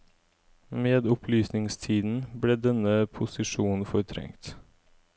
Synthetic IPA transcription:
meːd̪ʊpʰlyːsnɪŋst̪ʰiːd̪n̩bɽeːd̪ɛnəpʰʊsɪʂuːn̩fɔɾt̪ʰɾɛ̰ŋt̪

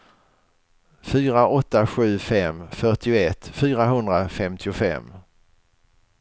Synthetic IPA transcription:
fyːɾaʔɔt̪ːaɧʉ̟ːfɛmfœʈɪʊɛt̪ːfyːɾaɦɵnd̪ɾafɛmt̪ʰɪʊfɛ̰mː

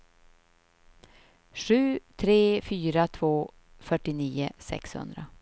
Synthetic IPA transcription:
ʂʉ̟ːt̪ʰɾeːfyːɾat̪ʰvoː | fœʈːɪniːə̰sɛ̰kshɵ̰nd̪ɾa

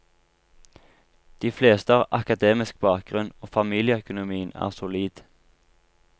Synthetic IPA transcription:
d̪̥iːfleːst̪əɑːʋʔɑkɑd̪eːmɪsk̚bɑːk̚ɡ̥ʁʉnoːfɑmiːlɪəœkʊnʊmiːənæ̰ːʁsʊliːd̪̥

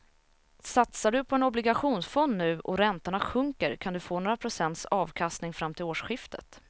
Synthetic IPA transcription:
sat̪saɖɵpʰɔɛnɔblɪɡaɧuːnsfɔnnʉ̟ːʔɔɾɛnt̪aɳaɧɵŋkəɾkʰand̪ɵfoːnoːɾapʰɾʊsɛnt̪sɑːvkʰast̪nɪŋfɾamːt̪ʰɪloːʂɧɪft̪ʰə̰t̪

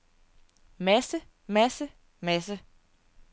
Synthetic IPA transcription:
mæsə | mæsə | mæsə

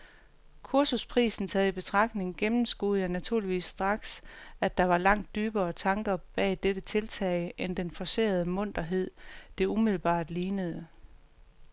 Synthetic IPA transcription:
kʰuɐsuspʰʁḭːsn̩t͡sʰɛːð̩ˠib̥e̝t͡sʰʁɑ̈ɡ̥ne̝ŋɡ̥emm̩sɡ̥uð̩ˠjænæt͡sʰuɐ̰liʋḭːsːd̥ʁɑ̈ɡ̥sæd̥ɑ̈ʋɑ̈lɑ̈ŋ̰d̥ːyːb̥ɐːt͡sʰɑ̈ŋɡ̥ɐb̥ɛ̰ːd̥eɾ̥ət͡sʰe̝lt͡sʰɛɪʔend̥enfɒse̝̰ːɐð̞̩ˠəmɔ̽n̰d̥ɐɦe̝ð̞̰ˠd̥e̝umiðˠl̩b̥ɑ̰̈ːd̥liːnəð̞̩ˠə

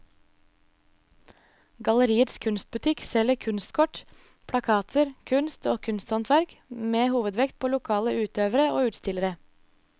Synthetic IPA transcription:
ɡɑləɾiːət̪skʰʉnst̪̚bʉt̪ʰɪksɛləkʰʉnst̪kʰɔʈ | pʰɽɑkʰɑːt̪ʰəɾkʰʉnst̪oːkʰʉnst̪hɔnt̪ʰʋæɾkmeːhuːʋəd̪ʋɛkt̪̚pʰoːlʊkʰɑːləʔʉːt̪øːʋəɾəoːʉːt̪st̪ɪləɾə

